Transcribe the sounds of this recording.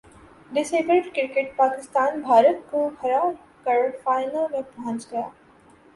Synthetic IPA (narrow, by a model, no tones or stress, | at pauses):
ɖɪseːbɾɪʈkɪɾkeʈ̚paːkɪst̪aːnbʱaːɾət̪̚kokʰɐɾaː | kɐɾfaːɪnəlmek̚bʱãːnt͡ʃɡɐja̰ː